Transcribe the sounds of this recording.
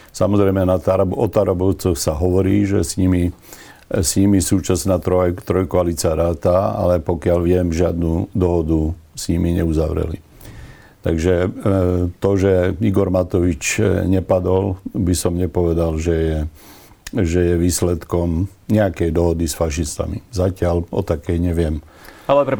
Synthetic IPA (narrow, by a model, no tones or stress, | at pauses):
samɔzɾɛjmɛnat̪aɾabɔt̪aɾabɔʊt͡sɔxsaɦɔʋɔɾiːʒɛsɲimi | sɲimisuːt͡ʃasnaːt̪ɾɔt̪ɾɔjkɔalit͡siaɾaːt̪aa̰lɛpɔkɪalʋɪɛmʒɪad̪nud̪ɔɦɔd̪usɲimiɲɛuzaʋɾɛ̰lḭ | t̪a̰ɡʒɛ | t̪ɔʒɛiɡɔɾmat̪ɔʋit͡ʃɲɛpad̪ɔlbisɔmɲɛpɔʋɛd̪alʒɛjɛ | ʒɛjɛʋiːslɛt̪kɔm | ɲɛakɛjd̪ɔɦɔd̪isfaʃ̬ist̪a̰mḭzacɪalɔ̰t̪akɛjɲɛʋɪɛm | alɛ